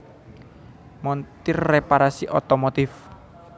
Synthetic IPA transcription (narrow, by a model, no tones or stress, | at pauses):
mɔnt̪ɪrːepaɾasiʔɔt̪ɔmot̪ɪf